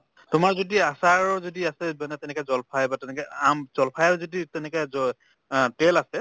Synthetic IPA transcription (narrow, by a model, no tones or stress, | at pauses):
tʊmaɹzodiasaɹɔzodiasɛmanɛtɛnɛkɛzɔlpʰajbatɛnɛkɛamz̥ɔlpʰajɛɹzoditɛnɛkɛzɔ | telasɛ